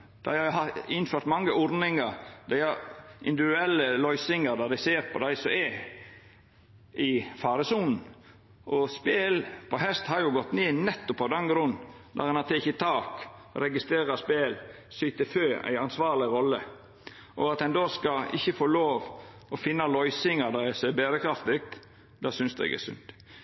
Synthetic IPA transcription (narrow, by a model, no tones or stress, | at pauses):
d̪̥æɪhɑjʊɦɑɪnføːɾt̪mɑŋːəʔɔɾnɪŋəɾd̪æɪhɑɾʔɪ̰nd̪ɪʋɪd̪ʉɛlːəlœʏsɪŋəɾd̪ɑd̪æɪseːɾpʰɔ̰d̪æɪsɔɛ | ʔɪfɑːɾəsuːnn̩ | ʔɔspeːlpʰɔɦɛst̪hɑɾjʊɡɔt̪ːneːnɛt̪ːʊpʰːɑd̪ɛnɡɾʊnː | d̪ɑ̰ɾɛnɑt̪ʰɛɪçət̪ʰɑːkɾɛɡɪst̪ɾeːɾɑspeːl | syt̪əføːæ̰ɪɑnsʋɑːɾlɪɾɔlːə | ʔɔ̰ɑt̪ɛnd̪oːskɑɪ̰çːəfoːloːʋɔfɪnːɑlɔʏsɪŋɑd̪ɑɛseːbeːɾəkʰɾɑft̪ɪk̚t̪ | d̪ɑːsʏnsd̪æ̰ɡæ̰sʉ̰nt̪